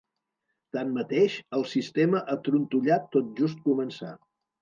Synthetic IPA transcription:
t̪ammət̪eʃəlˠsist̪eməʔat̪ɾunt̪uʎat̪ːot̪̚ʒus̬t̪̚kumənsa̰

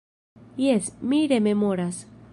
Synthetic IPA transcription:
jesmiɾememoɾas

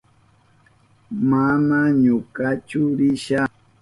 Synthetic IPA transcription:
manaɲʊkat͡ʃʊɾɪʃa

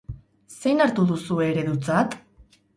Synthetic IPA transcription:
se̞jnaɾt̪uðusue̞ːɾe̞ðut͡sat̪

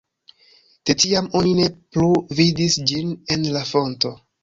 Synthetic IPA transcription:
tetiamo̞nine̞pluvidisd͡ʒine̞nlafo̞nto̞

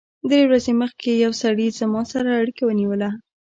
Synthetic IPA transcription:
d̪ɾewɾazeməxkejawsaɽizəmɑsaɾaːɽikawəniwəla

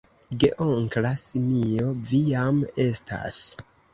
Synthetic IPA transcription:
ɡeʔoŋklasimio̞vijame̞sta̰s

